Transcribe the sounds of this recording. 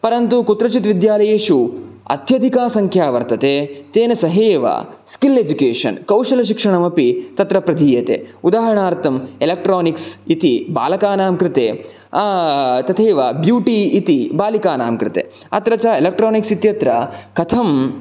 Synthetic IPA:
pɐɾɐnt̪ukut̪ɾɐt͡ʃit̪ʋid̪jaːlɐjeːʃuɐ̰t̪jɐd̪ʱikaːsɐŋkʰjaːʋɐɾt̪ɐt̪et̪eːnɐsɐɦeːʋɐ̰skiled͡ʒukeːʂɐ̰nkɐwʂɐlɐʃ̬ikʂɐɳɐmɐpit̪ɐt̪ɾɐpɾɐd̪ʱiːjɐt̪ḛːud̪aːɦɐɾɐɳaːɾt̪ɐmelɐk̚ʈɾoːniksit̪iba̰ːlɐkaːnaːmkɾɪt̪eː | t̪ɐt̪ʰeːʋɐbjuːʈiːt̪ibaːlikaːna̰ːmkɾɪt̪ḛː | ɐ̰t̪ɾɐt͡ʃaelɐk̚ʈɾoːniksit̪jɐt̪ɾɐkʰɐt̪ʰɐm

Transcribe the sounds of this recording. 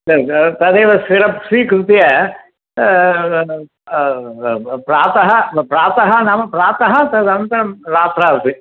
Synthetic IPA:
sɐɾt̪ɐd̪eːʋɐsiɾɐpsʋiːkɾɪt̪iɐ | pɾaːt̪ɐɦɐpɾaːt̪ɐɦɐnaːmɐpɾaːt̪ɐɦɐ̆t̪ɐd̪ɐnt̪ɐɾɐmɾaːt̪ɾaːɾut̪i

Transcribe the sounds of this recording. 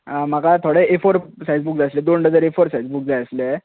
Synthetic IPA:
makat̪ʰoɽeʔefoɾsajd͡zbuːkd͡zasled̪oɳɖəd͡zaɾefoɾsajd͡zbuk̚d͡zajəsle

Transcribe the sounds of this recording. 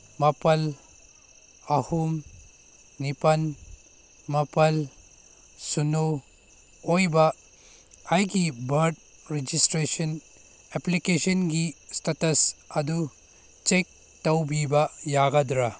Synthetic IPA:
mɐpɐl | ɐhum | nipɐn | mɐpɐl | suno | ojbɐː | jɡibɐɾd | ɾed͡ʒistɾesɐn | eplikesɐnɡistetɐsɐdu | t͡ʃek̚ | tɐwbibɐjaɡɐdɾa

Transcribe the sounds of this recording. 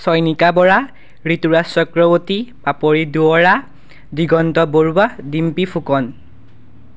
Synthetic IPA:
sɔjnikabɔɹa | ɹituɹasɔkɹɔbotipapoɹiduɔɹa | diɡɔntɔboɹuwadimpipʰukɔn

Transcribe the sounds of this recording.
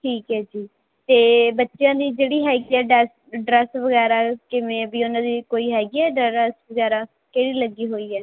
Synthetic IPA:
ʈʰiːkɦɛːd͡ʒiː | t̪eːbətːʃjãːd̪iːd͡ʒeːɽiːɦɛːɡiːɛːɖɛːs | ɖɾɛːsʋəɡɛːɾaːkɪʋẽːbiːʊnãːd̪iːkoːiːɦɛːɡiːɛːɖɛɾɛsʋəɡɛːɾaː | keɪɽiːləɡiːɦoːiːɛː

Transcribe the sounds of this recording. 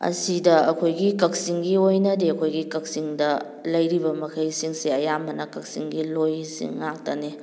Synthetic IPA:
ɐ̰sidɐɐ̰kʰojɡikɐk̚siŋɡiojnɐdeɐkʰojɡikɐk̚siŋdɐ | lɐjɾibɐmɐkʰɐjsiŋseɐjamɐnɐkɐk̚siŋɡilojsḭŋːak̚tɐne

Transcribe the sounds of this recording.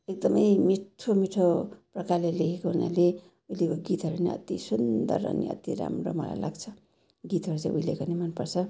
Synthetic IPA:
ek̚d̪ʌmʌjmiʈʰomiʈʰoprʌkarlelekʰekoɦuna̰le | uilekoɡit̪ɦʌɾuneʌ̰t̪isund̪ʌ̰rʌ̰nḭʌ̰t̪iɾa̰mro̰mʌla̰jla̰ɡt͡sʰʌ | ɡit̪ɦʌɾut͡sãĩʔuilekonimanpʌrt͡sʰʌ

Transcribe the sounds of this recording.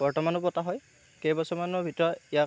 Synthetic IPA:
b̥ɔɹtɔmanɔbɔtaɦɔj | kejbɔsɔmanɔɹbʱitɔɹɔija

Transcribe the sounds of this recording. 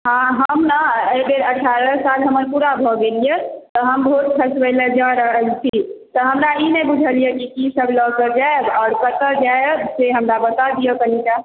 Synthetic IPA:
ɦãɦəmnaəjbeɾəʈʰːaɾəsalɦəməɾpuɾabʱɔɡelijet̪ɔɦəmbɔɦut̪̚kʰəsbələd͡ʒəɾəɦəlt͡ʃʰit̪ɔɦəmɾainebud͡ʒʱəlijekikisəbʱlɔkəɾd͡ʒaebɔːɾkət̪əd͡ʒajebseɦəmɾabət̪ad̪ijəkənika

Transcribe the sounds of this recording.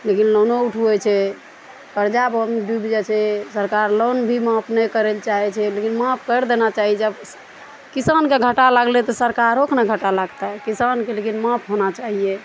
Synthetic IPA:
lekinlonouʈʰuet͡ʃʰɛ | kəɾd͡ʒabəmɖubd͡ʒɛt͡ʃʰɛsəɾkaɾlonbʱimãpʰnɛkəɾelt͡ʃaɦɛt͡ʃʰɛlekinmãpʰkəɾd̪enat͡ʃaɦiɛd͡ʒəb | kisankeɡʱəʈalaɡlet̪ɔsəɾkaɾokʰnaɡʱəʈalaɡt̪akisankelekinmãpʰɦonat͡ʃaɦije

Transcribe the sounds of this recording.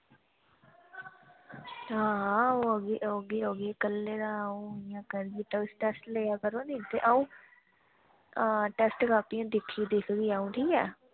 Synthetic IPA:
ɦãːoəɡeʔoɡeːoɡeːkəlːeːɾaːũːɪjãːkəɾɡiːʈ̪aɪsʈɛsʈleːjaːkəɾoːnĩːt̪eːʔaːũː | ʈɛsʈkaːpijãːd̪ɪkʰːiːd̪ɪkʰɡiːaːũːʈʰiːɛː

